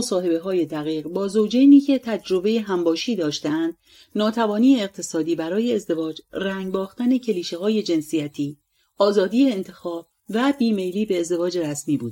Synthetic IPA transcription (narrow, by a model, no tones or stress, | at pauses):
osɒːhe̞be̞ɦɒːje̞d̪æɣiːʁbɒːzowd͡ʒejniːcʰe̞t̪ʰæd͡ʒɾo̞be̞jeɦæmbɒːʃiːd̪ɒːʃt̪ænd̪̥ | nɒːt̪ʰævɒːniːeːɣ̚t̪ʰe̞sɒːd̪iːbæɾɒːje̞ːzd̪e̞vɒːd͡ʒræŋɡbɒːxt̪æne̞cʰe̞liːʃe̞ɦɒːje̞d͡ʒe̞nsijæt̪ʰiː | ɒːzɒːd̪iːeːnt̪ʰe̞xɒːb̥̚ | væbiːme̞jliːbe̞ːzd̪e̞vɒːd͡ʒe̞ɾæsmiːbuːd̪